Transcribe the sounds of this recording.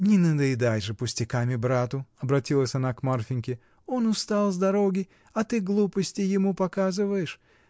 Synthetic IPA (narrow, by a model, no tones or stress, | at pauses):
nʲɪnəd̪ɐɪd̪ajʐɨpʊsʲtʲɪkamʲɪbɾat̪ʊɐbɾɐtʲilˠəsʲɐnakmarfʲɪnʲkʲɪ | o̞nʊst̪alˠzd̪ɐɾo̞ɡʲɪ | ɐt̪ɨɡlˠupəsʲtʲɪjɪmupɐkazɨvəjɪʂ